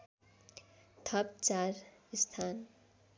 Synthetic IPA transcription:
t̪ʰʌp̚t͡saɾist̪ʰan

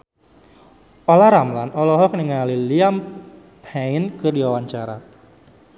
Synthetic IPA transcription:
ɔlaɾamlanɔlɔɦɔk̚niŋaliliam | painkɨrdiwawaɲt͡ʃaɾa̰

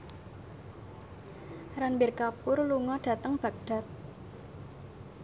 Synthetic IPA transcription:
ranbɪrkapʊrluŋɔɖ̥ä̤t̪əŋb̥a̤k̚d̥a̤t̪̚

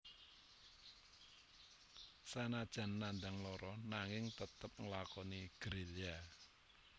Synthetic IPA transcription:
sanad̥ʒ̥a̤nːand̪aŋlɔɾɔnaŋɪŋt̪ət̪əp̚ŋəlakɔniɡ̥ɾela

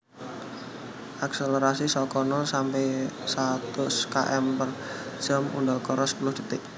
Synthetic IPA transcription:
ʔakseleɾasisɔkɔnɔsampɛsat̪ʊskaʔɛmpər̥ʒ̥əmṵndɔlkɔɾɔspəlʊhd̪̥i̤t̪ɪʔ

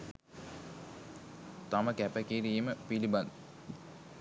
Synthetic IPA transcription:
t̪aməkæpəkiɾiməpiliband̪

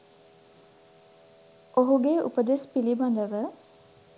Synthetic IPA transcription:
oɦuɡeṵpəd̪espiliband̪əʋə

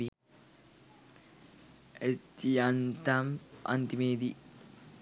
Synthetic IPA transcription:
i | et̪iant̪amɐ̰nt̪imeːd̪i

